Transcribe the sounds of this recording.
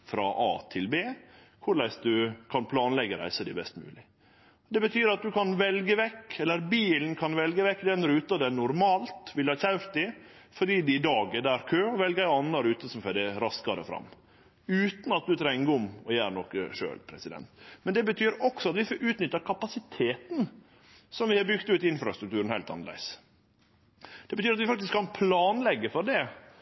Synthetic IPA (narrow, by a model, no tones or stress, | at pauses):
fɾɑ̰ʔɑ̰ːt̪ʰɪlbeː | kʰʊɾɭæɪsd̪ʉkʰɑnpʰlɑːnlɛɡəɾæ̰ɪsəd̪æɪbɛst̪mʉ̰ːlɪ | ɔd̪ɛbət̪ʰyːɾɑt̪̚d̪ʉkɑnʋɛlɡəʋɛkːɛlːəɾbiːln̩kʰɑnʋɛlɡəʋɛkːd̪ɛnɾʉːt̪ɑd̪ɛnʊɾmɑːlt̪ʋɪlhɑçæʉɾt̪̚d̪ɪ | fɔɖiːd̪ɪd̪ɑːɡəd̪æɾkʰøːɔʋɛlɡəæɪɑnːɑɾʉːt̪əsɔmfœd̪æɾɑskɑɾə̰fɾɑ̰mː | ʉːt̪n̩ɑt̪̚d̪ʉt̪ʰɾɛŋɡəʊmɔjæːɾnɔkəʂø̰ːlpʰɾɛsɪd̪ɛ̰nt̪mɛnd̪ɛbət̪ʰyːɾɔksɔɑt̪ʋɪfoːʔʉːt̪nʏt̪ːɑkʰɑpɑsɪt̪ʰeːt̪n̩ | sɔmʋɪhɑɾbʏɡt̪ʉːt̪ɪɪnfɾɑst̪ɾʉk̚t̪ʉːɾnhæɪlt̪ɑ̰nəlæ̰ɪs | d̪̥ɛbət̪yːɾɑt̪ʋɪfɑk̚t̪ɪskʰːɑnpʰlɑːnlɛɡːəfɔɾɖ̪ɛ